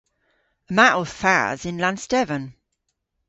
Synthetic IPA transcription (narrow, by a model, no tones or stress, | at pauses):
əmaʔəv̥fa̰zɪ̃nlãnstɛvə̃n